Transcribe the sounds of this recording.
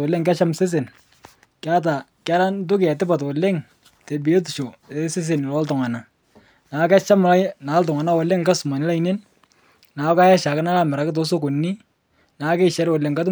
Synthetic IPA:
ɔ˨le˦ŋka˦t͡ʃa˦mse˦s̬e˨n | ka˦t̬a˨ | ka˦ɾa˦ntʊ˦kɪ˨a˨tɪ˦pa˨twɔ˨le˦ŋ | te˨bi˨e˦t̬u˨t͡ʃo˨e˨se˦s̬e˨nɪ˨lɔ˦ltʊ˨ŋa˨na˨ | na˨˦ka˦t͡ʃa˦mla˦na˨˦lt̬ʊ˨ŋa˨na˦wɔ˨le˦ŋka˦su˨ma˨nɪ˦la˦i˦ne˦n | na˨˦ka˦jɛ˦ʃa˨kɪ˦na˦la˨mɛ˨ɾa˨kɪ˦t̬ɔ˦s̬o˦ko˨nːi˦ | na˨˦kɛ˦˨ʃɛ˨˦ɾwɔ˨le˨ŋka˦t̬

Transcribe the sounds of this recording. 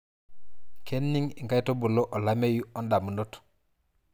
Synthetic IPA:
kʰe˦nːi˦ŋi˨ŋka˦jto˦bu˨lo˦ʔo˨la˦me˦ju˦ɔ˦nda˨mu˨no˦t

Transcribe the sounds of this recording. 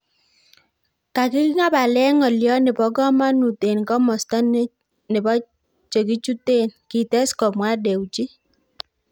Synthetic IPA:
ka˨kɪ˦kɪ˦ŋa˦ba˨lɛ˦ŋɔ˨ljɔ˦nɪ˨bɔ˨ɡɔ˦ma˦nu˨te˨nkɔ˦mɔ˨stɔ˦n˦ | nɪ˨bɔ˦ | t͡ʃe˨k̬i˦t͡ʃu˦te˦nki˨tɛ˦skɔ˨mwa˦de˨wt͡ʃi˦

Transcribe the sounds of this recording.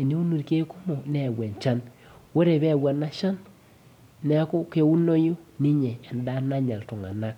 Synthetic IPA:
e˨ne˦u˦nu˨ɾke˦ku˦mo˨nɛ˨wɛ˨nt͡ʃa˦n | wo˦ɾe˨βɛ˦˨wa˨na˦ʃa˦nː | ɛ˦kʊ˦ke˦u˦no˦ju˦ni˦ɲe˨ɛ˨nda˦na˦ɲa˨ltʊ˨ŋa̰˨na˦k̚

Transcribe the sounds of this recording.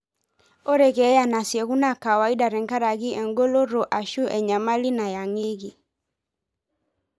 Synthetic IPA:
o˦ɾɛ˨kɛ˨˦ja˦na˨sjɛ˨ɣu˦na˦ka˨wa˨i˦da˨ɾɛ˨ŋka˦ɾa˨ɣi˦ʔɛ˨ŋɡo˦lo˦ɾo˨ʔa˨ʃu˦ʔɛ˨ɲa˨ma˦li˦na˨ja˨ŋe˦ɣi˨

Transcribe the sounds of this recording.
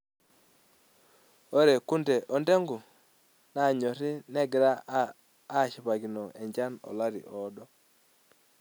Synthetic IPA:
o˦ɾe˨ku˦nde˨ʔɔ˨nde˦ŋɡu˨ | na˨ɲɔ˨ɾɪ˦nɛ˦ɡɾaː˦˨ | ʃi˨pa˨ɡi˨nɔ˨ʔe˨ɲd͡ʒa˦nɔ̰˨la˦ɾḭ˨ʔɔ˨˦dɔ˦

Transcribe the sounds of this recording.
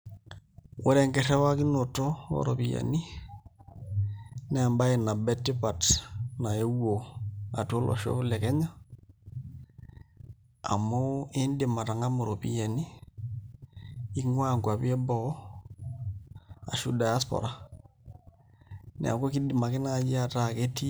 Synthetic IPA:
wɔ˦ɾɛ˨ŋɡɛ˨rɛ˦wa˦ki˦no˨to˦o̰˦ɾɔ̰˨pi˨ja̰˨ni˦ | nɛ˨mba˦e˨na˨bɛ˦tːɪ˦pa˨tna˨e˦wo˨a˨to˦lʔɔ̰˨ʃo̰˦lɛ˨kɛ˦ɲa˦ | a̰˨mo˦e˦ndɪ˨ma˨ta˨ŋa˦mo˨ɾo˨pḭ˨ja˨ni˦ | ŋwaː˦˨ŋɡwa˨pe˦bɔ˨˦ | a̰˨ʃu˦da˨ja˦spɔ̰ɾa˨ | nɛ̰˨a̰˨ko˦ki˦dɪ˨ma˨kɪ˦na˨d͡ʒi˦a˨ta˨ke˦ti˦

